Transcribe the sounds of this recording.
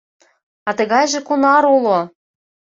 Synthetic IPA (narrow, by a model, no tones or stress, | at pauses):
ɑt̪ə̆ɣɑjʒĕkunɑɾulo